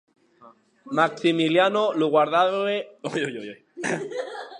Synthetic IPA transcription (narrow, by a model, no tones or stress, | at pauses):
maksimiljanoluɣwaɾðaðeojojojoj